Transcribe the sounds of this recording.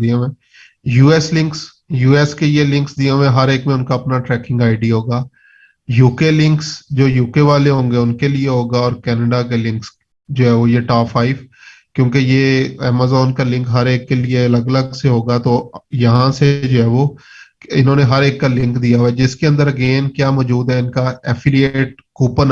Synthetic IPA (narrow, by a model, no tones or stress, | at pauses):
diãẽ | juːɛslɪ̃ŋks | juːɛːskejelɪ̃ŋksd̪ijãʋẽɦɐɾeːkmẽʊnkaɐpnaʈɾɛːkɪ̃ŋɡaːɪɖiɦoːɡaː | juːkelɪ̃ŋksd͡ʒoːjuːkeʋaːleɦõːŋɡeʊnkelieɦoːɡaɔːɾkɛːnəɖakelɪ̃ŋks | d͡ʒoːɦɛːʋojeʈaːfʰaːɪf | kjõːkejeɛːmaːzɔːnkalɪ̃ŋkɦɐɾeːkːelieɐləɡələɡseɦoːɡat̪ojɐɦãsed͡ʒoːɦɛːʋo | ɪnɦõːneɦɐɾeːkːalɪ̃ŋkd̪ijaɛd͡ʒɪskeɐ̃nd̪əɾɐɡeːnkjaːmɔːd͡ʒuːd̪ɦɛɪnkaɛfʰɪlijeːʈ̚kuːpən